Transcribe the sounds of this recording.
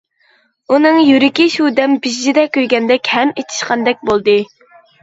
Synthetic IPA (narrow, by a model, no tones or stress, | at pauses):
unɨŋjyɾɪkʲiʃud̪ɛmbizd͡ʒid̪ɛkʲʰøjɡʲɛnd̪ɛkʲhɛmet̪ʰi̥ʃqɑnd̪ɛk̚ʲbolˠd̪ɨ